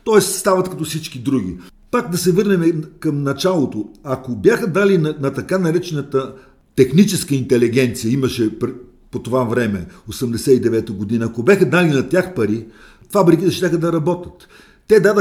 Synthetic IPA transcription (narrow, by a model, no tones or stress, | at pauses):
t̪ɔɛsst̪avɐt̪kɐt̪ɔfsit͡ʃkid̪ɾuɡ̟ʲi | pakd̪ɐsɛvɤɾnɛmɛkɐmnɐt͡ʃalˠot̪oɐkobjaxəd̪alinɐnɐt̪ɐkanɐɾɛt͡ʃɛnət̪ə | t̪ɛxnit͡ʃɛskəint̪ɛliɡɛnt̪sijəiməʃɛpɾ | pot̪ovavɾɛmɛosəmd̪ɛsɛid̪ɛvɛt̪oɡod̪inəːkobɛxəd̪alinɐt̪ʲjaxpɐɾi | fabɾikit̪ɛʃt̪ʲaxəd̪ɐɾɐbɔt̪ət̪ː | ɛd̪adə